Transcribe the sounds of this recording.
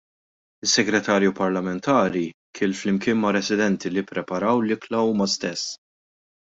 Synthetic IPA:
ɪsːɛɡɾɛt̪ɐːɾjupɐɾlɐmɛnt̪ʰɐːɾikʰɪːlflɪmkɪːnmɐɾɛsɪd̪ɛnt̪ilipːɾɛpɐɾɐwlɪklɐuːmɐst̪ɛsː

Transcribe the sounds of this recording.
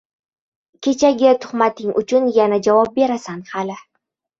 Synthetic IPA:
kʲʰe̞t͡ʃʰaɡʲɪt̪ʰʊ̥χmat̪ʰɪŋʔʊ̰t͡ʃʰʊnjanad͡ʒavɒp̚be̞ɾasanhalɪ

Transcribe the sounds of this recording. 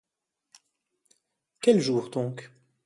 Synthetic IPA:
kʲɛlʒuːʁd̪ɔ̃k

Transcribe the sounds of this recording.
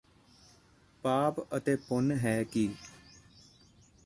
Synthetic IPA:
paːpət̪eːpʊnɦɛːkiː

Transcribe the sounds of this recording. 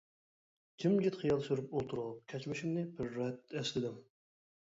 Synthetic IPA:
kʲʰimɡʲit̪χijɑlˠsyɾyp̚olˠt̪ʰuɾuʁup̚kʲʰɛt͡ʃmɪʃɪmnɪbɪɾːɛt̪ːɛslɪd̪ɪm

